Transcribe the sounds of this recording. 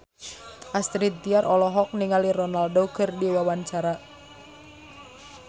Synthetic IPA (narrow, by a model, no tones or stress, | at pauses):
ʔast̪ɾit̪̚ːiarɔlɔɦɔk̚niŋalirɔnaldoɡərdiwawant͡ʃaɾa